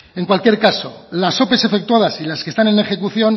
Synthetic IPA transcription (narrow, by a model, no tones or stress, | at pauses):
e̞ŋkwalkje̞ɾkaso̞laso̞pe̞se̞fe̞k̚t̪uaðasilaske̞st̪anẽ̞nexe̞kuθjo̞n